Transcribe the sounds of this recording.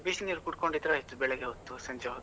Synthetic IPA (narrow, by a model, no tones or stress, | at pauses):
bisiniɾukuʈkoɳɖid̪ɾɐit̪ːubɛɭeɡeɦot̪ːusɐɲt͡ʃeot̪